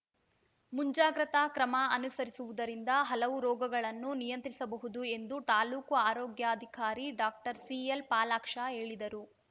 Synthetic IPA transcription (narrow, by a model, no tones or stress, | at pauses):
muɲd͡ʒaːɡɾɐt̪ɐkɾɐmɐɐnusɐɾisuʋud̪ɐɾind̪ɐɦɐlɐʋuɾɔːɡɐɡɐɭɐnːunijɐnt̪ɾisɐbɐɦud̪ue̞nd̪ut̪aːluːkuaːɾɔːɡjaɐd̪ʱikaːɾiɖaːk̚ʈɐɾsiːelpaːlaːkʂaɦe̞ːɭid̪ɐɾu